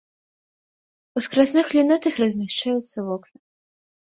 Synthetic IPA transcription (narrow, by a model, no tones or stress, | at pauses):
uskɾas̬nɨxlʲinat̪ɐxrɐzʲmʲaʂt͡ʂajut̪sːɐvɔknɐ